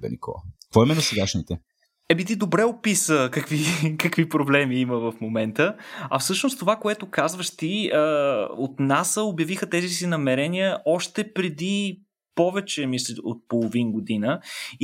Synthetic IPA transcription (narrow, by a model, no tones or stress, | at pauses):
bɛ̰nḭkɔ̰lˠɐ̰kvɔimɛnɐsɛɡaʃnit̪ɛ | ɛbit̪̬id̪obɾɛopisəkɐkvikɐkvipɾoblɛmiiməvɐfmomɛnt̪əɐfsɤʃnost̪t̪ovakoɛt̪okazvəʃt̪iəo̰t̪nasəobjɐvixət̪ɛzisinɐmɛɾɛnijəʔɔʃt̪ɛpɾɛd̪i | pɔvɛt͡ʃɛmisɛo̰t̪̚polˠovinɡod̪inə